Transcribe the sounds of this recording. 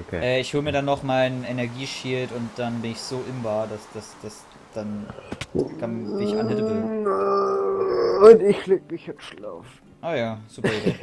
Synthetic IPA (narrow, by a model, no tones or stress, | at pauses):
ʔokʰḛːʔɛːɪçhoːlmiɐdanːɔχmaɪnenɛɐɡiːʃiːltʊnt̚d̥anbɪnɪçz̥oːʔɪmvaːdasd̥asd̥as | d̥an | kʰanɪçʔanhɛtə | ʊntɪçleːk̚mɪçjɛtʃla̰ːfn̩ | ʔoːjaːz̥uːpɐid